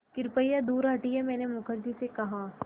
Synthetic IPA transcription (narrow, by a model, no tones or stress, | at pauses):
kɪɾpəjad̪uːɾaːʈiɦɛmɛ̃ːnemʊkʰəɾd͡ʒisekɐɦãː